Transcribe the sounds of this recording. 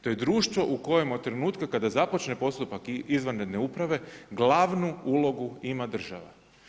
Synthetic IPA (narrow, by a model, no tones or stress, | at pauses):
t̪ojed̪ɾuːʃt̪ʋo̞ʔuko̞je̞mod̪̚t̪ːɾe̞nuːt̪kakad̪azapo̞t͡ʃnepo̞st̪upakizʋanɾe̞d̪ne̞upɾaʋe̞ɡlˠaʋnuuːlˠo̞ɡuimad̪r̩ʒa̰ʋa̰